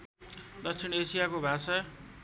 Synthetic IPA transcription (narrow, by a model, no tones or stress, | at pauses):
d̪ʌk̚sʰinesijakobʱasa